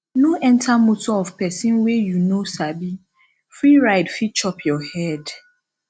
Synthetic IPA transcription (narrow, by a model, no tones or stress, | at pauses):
nõʔɛ̃ntʰamotɔɔvpɛsĩnwɛjunosabi | fɾiɾaɪdfid̚t͡ʃɔpʰjɔhɛd